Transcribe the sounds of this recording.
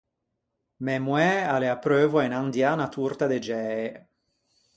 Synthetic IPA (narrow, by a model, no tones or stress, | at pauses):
mɛmwɛaleapɾøːvoainand̪janat̪uɾt̪ad̪ed͡ʒɛːe